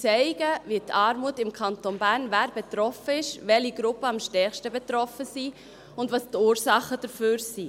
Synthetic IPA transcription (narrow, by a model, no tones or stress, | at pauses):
t͡sɛɪɡ̥əvitɑːɾmuətɪmkʰɑnt̪onbæːɾnvæːɾb̥ɛt̪ɾɔfəɪʃʋɛliɡɾʊpːəɑmʃtɛχʃtəbɛtɾɔfəsiː | ʊndʋɑstuːɾsɑχəd̥əɾføːɾsiː